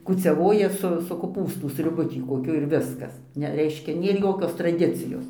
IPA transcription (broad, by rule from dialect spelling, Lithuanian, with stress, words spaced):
kuːt͡sʲɛˈʋoːjɛ sʊ sʊ koːˈpuːstʊ sʲrʲʊˈbʊ ˈtʲiː koːˈkʲʊ ɪr ˈʋʲɪskɐs ˈnʲɛ ˈrʲɛɪʃʲkʲɛ ˈnʲeːr ˈjoːkʲoːs trɐˈdʲɪt͡sʲɪjoːs